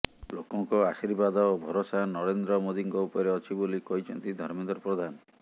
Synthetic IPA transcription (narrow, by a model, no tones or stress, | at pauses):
lokɔŋkɔasiɾbad̪ɔobʱɔɾosanɔɽend̪ɾɔmod̪iŋkɔupɔɾeɔt͡ʃʰibolikɔɦit͡ʃʰɔnt̪id̪ʱɔɾmend̪ɔɾɔpɾɔd̪ʱanɔ